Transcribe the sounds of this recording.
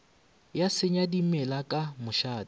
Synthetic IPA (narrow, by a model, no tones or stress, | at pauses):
jasɪɲadimɛlakʼamʊʃaːd